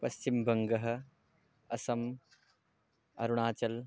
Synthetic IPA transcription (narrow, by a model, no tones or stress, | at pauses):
pɐst͡ʃimbɐŋɡɐɦɐ̆ | ɐsɐm | ɐ̰ɾuɳ̃aːt͡ʃɐl